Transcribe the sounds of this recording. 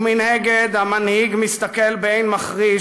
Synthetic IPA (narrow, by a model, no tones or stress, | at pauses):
minheɡed̪hamanhiɡmist̪akelbeejnmaχʁi